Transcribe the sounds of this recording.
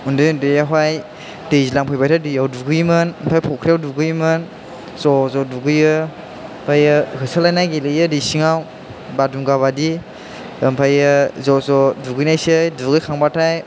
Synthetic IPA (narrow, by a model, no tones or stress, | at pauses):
undɯjndɯjaɦwaj | dejzilaŋpʰɯjbajtʰadɯjawduɡɯjmɯnmpʰajpʰɔkʰɾijawduɡɯjmɯn | zɔzɔduɡɯjɯ | mpʰajɯhɯsɯlajnajɡelɯjɯdisiŋaw | badumɡaβadi | ɯmpʰajɯzɔzɔduɡɯjnajsɯjduɡɯjkʰaŋbatʰaj